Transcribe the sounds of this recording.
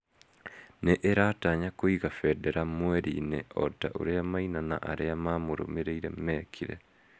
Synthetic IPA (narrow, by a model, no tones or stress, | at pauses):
neʔeɾataɲakoiɣafɛdɛɾamwɛɾḭneɔta̰ʔo̰ɾeamainana̰ʔaɾeamamoɾo̰meɾeiɾɛmɛkʰiɾɛ̰